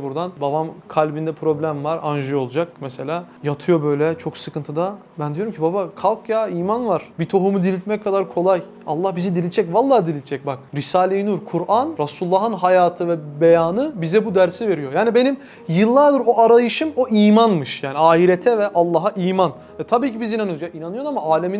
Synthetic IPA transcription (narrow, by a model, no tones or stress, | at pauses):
buɾd̪anbabamkʰalʲbind̪ɛpʰɾo̞blʲæmvaɾand͡ʒɯjo̞lˠud͡ʒak̚mɛse̞lʲaːjat̪ʰɯjo̞bø̞jlʲɛt͡ʃʰo̞ksɯkʰɯnt̪ʰɯd̪a | bænd̪jo̞ɾumcʰibabakʰalˠkʰjaːiːmanvaɾ̥bit̪ʰo̞ɦumud̪ilʲit̪mɛckʰːad̪aɾkʰo̞lˠaj | a̰lˠːahbizid̪ilʲid͡ʒɛcvalˠːaːd̪ilʲit̪d͡ʒʰɛc̚bak̚ɾisaːlʲejnuɾkʰuɾʔanɾasulˠːaːɦɯnɦajaːt̪ʰɯvɛbejaːnɯbizɛbud̪æɾsive̞ɾijo̞jaːnibe̞nim | jɯlˠːaɾd̪ɯɾo̞ʔaɾajɯʃɯmo̞ʔiːmanmɯʃjaːniaːɦiɾet̪ʰɛvɛʔalˠːaɦaʔiːman | ɛt̪ʰabiːcibizinanɯjozjaʔinanɯjo̞d̪amaaːlʲemin